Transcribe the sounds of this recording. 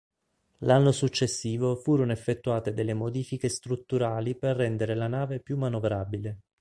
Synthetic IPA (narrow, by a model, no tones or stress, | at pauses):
lanːosut͡ʃːesːiːvofuːɾonoefːet̪ːuaːt̪ed̪elːemod̪iːfikest̪ɾut̪ːuɾaːliperːɛnd̪eɾelanaːvepjumːanovɾaːbile